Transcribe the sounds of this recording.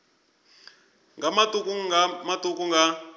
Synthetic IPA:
ŋɡʱamatʼukʼumatʼuk̬ʼuŋɡa

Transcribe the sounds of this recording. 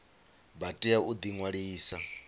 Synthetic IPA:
batʼiaud̪iŋwaɺiːsa

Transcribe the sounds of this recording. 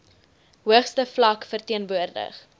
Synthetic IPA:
ɦuəχstəflɐkfərtiənvuərdə̰χ

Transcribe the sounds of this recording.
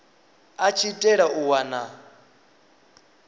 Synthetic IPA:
at͡ʃʰitʼɛɺauwana

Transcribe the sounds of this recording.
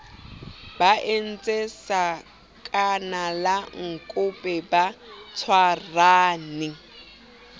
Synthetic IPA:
baʔen̩t͡sʼesa | kʼanalaŋ̩kʼʊpʼɛbat͡sʰwaraːnɪ

